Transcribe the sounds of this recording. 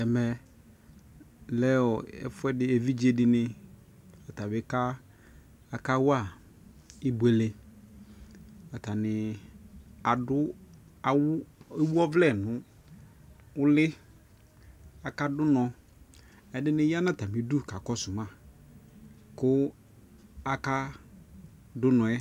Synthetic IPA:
ɛ˨mɛ˨ | lɛ˦ɔ˨ɛ̰˦fʊ˦ɛ˦dɪ˦e˨vi˦d͡ʑi˦e˦dɪ˨nɪ̃˨ | a˨ta˨bɪ˨˦ka˦ | a˨ka˦wʊ˦a˨ | i˦bu˨e˨le˨ | a˨ta˨nɪ˨ | a˨dʊ˦a˨we˦wu˦ɔ˦vlɛ˦˨nʊ̃˨ | ʊ˦lɪ˦ | a˨ka˦dʊ˦nɔ̃˨ | ɛ˨dɪ˦nɪ̃˦ja˦nã˦˨ta˨mɪ˨du˦˨ka˨kɔ˦sʊ˨mã˦˨ | kʊ˦ | a˦ka˦ | dʊ˦nɔ̃˨ɛ˦

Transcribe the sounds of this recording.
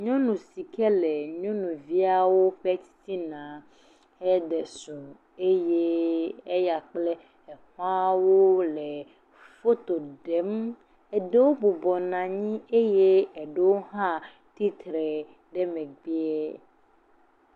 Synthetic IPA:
ɲɔ̃˦nũ˨si˨kɛ˦lɛ˨ɲɔ̃˦nũ˨vi˦a˨wo˦ɸɛ˦si˦nã˨ | ɛ˦ɖɛ˨sũ˨ | e˦je˦e˦ja˨k͡plɛ˦ | ɛ˨ha˦wo˦lɛ˨ | fo˦t̪o˨ɖɛ˨˦m | ɛ˨ɖe˦wo˦bo˨bɔ˨nã˨ɲĩ˦e˦je˦ɛ˨ɖe˦wo˦ɦã˦ | t̪i˦t̪ɾɛ˨ | ɖɛ˦mɛ̃˨ɡ͡bi˦ɛ˦

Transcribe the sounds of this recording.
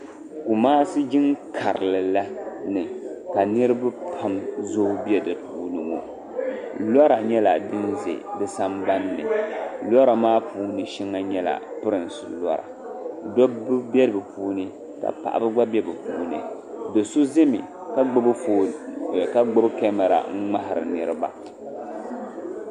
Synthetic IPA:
ku˨maː˦sɨ˦d͡ʒɪ˦ŋkʰa˨ɾɨ˨lɨ˨la˦nɨ˨ka˨nɨ˦ɾɨ˦ba˦pʰa˦mzo˦bi˦ɛ˦dɨ˨pʰuː˦nɨ˨ŋo̰˨ | la˦ɾa˨ɲɛ˦la˨dɨ˦nzḛ˨dɨ˨sa˦mba˦nːɨ̰˨la˦ɾa˨maː˦pʰuː˦nɨ˨ʃɛ˦ŋːa˦ɲɛ˦la̰˨pɨ˦ɾɨ˨n˨sɨ̰˨la˦ɾa̰˨ | dɔ˦bɨ˦bɛ˦ɾɨ˨bɨ˨pʰuː˦nɨ˦ | ka̰˨pa̰˨ʔa̰˨bɨ˦ɡ͡ba˦bɛ˦bɨ˨puː˨˦nɨ̰˦ | dɨ˨sʊ˦zɪ˦mḭ˨ | ka˦o˦bfo˨ka˦ɡ͡bo˦bkɛ˦ma˨ɾa̰˨ŋ̩˦ŋ͡ma˦ɦɪ˨ɾɨ̰˨nɨ˦ɾɨ˦ba̰˨

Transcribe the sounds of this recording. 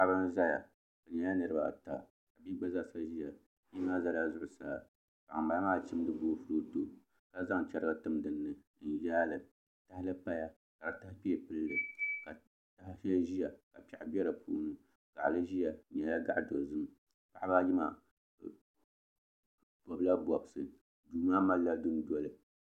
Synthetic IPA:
pa˦bɨ˦n˦za˦ja̰˨ | bɨ˨ɲɛ˨˦ja˦nɨ˨ɾɨ˦ba̰˨ta̰˨ | ka˨bi˦ɡ͡ba˦za˦˨sa˦ʒi˦ja˨ | i˦maː˦za˦la˦zʊ˦ʔʊ˨saː˦ | ka˨a˨mba˨a˦maː˦˨t͡ʃi˦m˦dɨ˦boː˦fu˦ɾo˦to˨ | ka˦za˦ŋ˨t͡ʃɛ˦ɾɨ˦ɡa˦tɨ˦mdɨ˦nːɨ˨ | n̩˨ʒaː˦lɨ˨ | ta˦hɪ˦lɨ˦pa˦ja˦ | ka˨ɾa˨ta˦hpi˦ɛ˨pɨ˦llɨ˨ka˨ | ta˦hɪ˦ʃɛ˦lʒi˦ja˨ka˨pa˨ʔbɛ˦ɾɨ˨pṵː˦nɨ˦ | ɡ̥a˨ʔlɨ˦ʒi˦ja˨ɲɛ˨la˦ɡa˦ʔdo˨zɨ˦m | pa˦ʔba˦ji˦ma̰˨ | b̥ɔ˨bɨ˦la˦bɔ˨bɨ˨sɨ˨ | duː˨maː˦ma˦lːa˦du˦n˦dɔ˦lɨ˨

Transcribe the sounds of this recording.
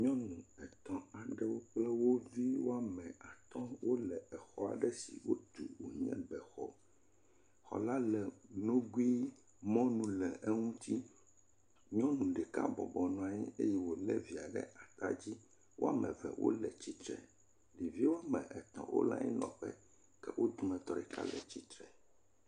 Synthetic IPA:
ɲɔ̃˦nũ˨ɛ˨t̪ɔ̃˨a˨ɖɛ˦wo˦k͡plɛ˦wo˦vi˦wo˦a˦˨mɛ̃˨a˨t̪ɔ̃˦wo˦lɛ˨ɛ˨xɔ˦a̰˨ɖɛ˦sḭ˨wo˦t̪u˨wo˨ɲɛ̰̃˦bɛ˨xɔ˦ | xɔ̰˨la˦lɛ˨nõ˦ɡwi˦ | mɔ̃˦nũ˨lɛ˨ʔɛ˦ŋũ˦t̪i˦ | ɲɔ̃˦nũ˨ɖɛ˨ka˦bɔ˨bɔ˨nɔ̃˨a˨ɲɛ˦e˦jɛ˦wo˨lɛ˦vi˨a˨ɖɛ̰˦ʔa˨t̪a˦d͡ʑi˦ | wo˦a˨mɛ̃˨vɛ˨wʔo̰˦lɛ˨t͡ɕi˦t̪ɾɛ̰˨ | li˨vi˦wo˦a˦mɛ̃˨ʔɛ˨t̪ɔ̰̃˨wʔo̰˦lã̰˦ɲɛ̰˦nɔ̃˨ɸɛ˦ | kɛ˦wʔo˦d̪u˦mɛ̃˨t̪ɔ˦ɖɛ˨ka̰˦lɛ˨t͡ɕi˦t̪ɾɛ˨

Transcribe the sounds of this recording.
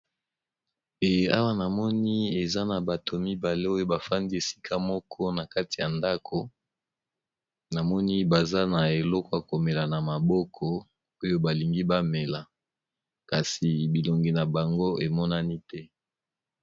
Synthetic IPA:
e˨a˦wa˦na˨mɔ˦ni˦e˨za˦na˨ba˨tʰo˨mi˦ba˨le˦o˦jo˦ba˨fa˦ndi˦e˨si̥˦kʰa˦mɔ˦kʰɔ˦na˨ka˦ti˨ja˨nda˦kʰo˨ | na˨mɔ˦ni˦ba˨za˦na˨e˨lɔ˦kɔ˦ja˨ko˨me˨la˨na˨ma˨bɔ˦kʰɔ˦ | o˦jo˦ba˨li˨ŋɡi˦ba˦me˨la˨ | ka˨si˨bi˨lo˨ŋɡi˨na˨ba˨ŋɡo˦e˨mɔ˦na˦ni˦tɛ˦

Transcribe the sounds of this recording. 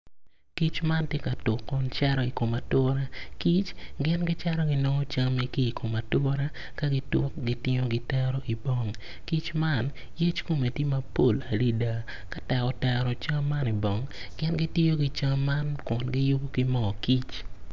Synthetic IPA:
ki˦t͡ʃma˦ntje˦ka˨tʊ˨kːɔ˦nt͡ʃɛ˦ɾɔ˦i˨ko˨ma˨tʊ˦ɾa˦ki˦t͡ʃɡɪ˦nɡɪ˦t͡ʃa˦ɾɔ˦ɡɪ˦no˦ŋɔ˦t͡ʃa˦mi˦ki˦˨kʰo˨ma˨tʊ˦ɾa˦ | ka˦ɡɪ˦tʊ˦kɡi˦tɪ˦ɲo˦ɡɪ˦tɛ˦ɾɔ˦ʔi˨bɔ˨˦ŋ | ki˦t͡ʃma˦˨n | je˦t͡ʃko˦me˨ti˦ma˦po˦˨la˨li˦da˨ | ka˦tɛ˨kɔ˦tɛ˦ɾɔ˨t͡ʃa˦mːa˦ni˨bɔ˨ŋ | ɡɪ˦nɡɪ˦ti˦jo˦ɡi˦t͡ʃaː˦a˦nkɔ˨nɡɪ˦jʊ˦bo˦ki˦mɔ˨ki˦t͡ʃ

